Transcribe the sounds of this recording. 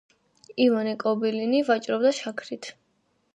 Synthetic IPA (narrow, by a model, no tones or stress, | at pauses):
ivanikʼɔbilinivat͡ʃʼɾɔbd̪aʃakʰɾit̪ʰ